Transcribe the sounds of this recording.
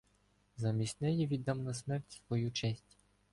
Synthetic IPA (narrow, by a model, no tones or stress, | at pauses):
zɐmʲisʲtʲnɛjiʋʲid̪ɑmnɐsmɛrtʲsʋɔjut͡ʃɛsʲtʲ